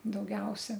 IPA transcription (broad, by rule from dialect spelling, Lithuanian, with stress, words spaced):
dɐʊˈɡʲɛʊsʲɛ